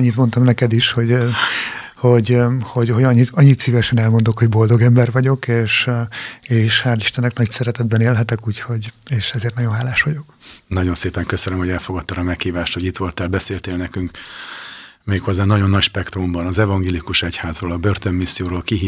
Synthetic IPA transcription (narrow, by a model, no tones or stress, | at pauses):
ɲːit̪mo̞nt̪ɒmnɛkɛd̪iʃho̞ɟ | ho̞ɟho̞ɟhoɟɒɲːiɒɲːit̪sivɛʃɛnɛlmo̞nd̪okho̞ɟbo̞ld̪o̞ɡɛmbɛrʋɒɟo̞keːʃ | eːʃhat̪iʃt̪ɛnːɛknɒcsɛɾɛt̪ɛd̪bɛneːlɦɛt̪ɛkuːcho̞ɟeːʃɛzeːrt̪ɒɟjo̞nɦaːlaːʃʋɒɟo̞knɒɟo̞nseːpɛŋkøsønømhoɛlfo̞ɡɒt̪ːɒɾɒmɛkhiːvaːʃt̪hoɟit̪ʋo̞lt̪ɛlbɛseːlt̪eːlnɛkyŋk | meːkho̞zːaːnɒɟo̞nːɒcʃpɛkt̪rumbɒnɒzɛvɒŋɡeːlikuʃɛchaːzroːlɒbørt̪ømːisːijoːɾoːlkiɦiː